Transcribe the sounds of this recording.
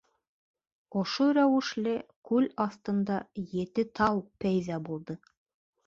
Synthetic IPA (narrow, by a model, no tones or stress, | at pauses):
ŏʃoɾæwɘ̆ʃlɘkʉlɑθt̪ɤ̆nd̪ɑjet̪ɘt̪ʰɑwpæjðɑbulˠd̪ɤ